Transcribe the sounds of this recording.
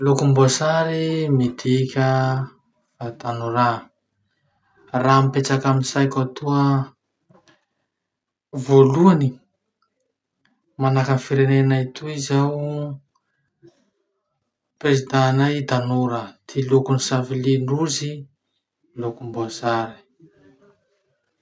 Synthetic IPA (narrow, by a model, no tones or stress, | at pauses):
lokumbosaɾimid̪ikʲə | at̪anuɾa | ramipet͡sakaminsajkʲat̪uə | voluani | manakəfiɾenenait̪ʰuizaw | pezid̪anajd̪anoɾat̪ʰilukunisaviliɳɖ͡ʐuzi | lukumboazaɾi̥